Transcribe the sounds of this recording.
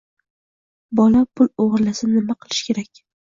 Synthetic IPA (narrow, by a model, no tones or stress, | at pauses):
bɒlapʰʊlˠoʁɨɾlasɪnɪmaqʰɨlˠɪʃkʲʰe̞ɾakʲ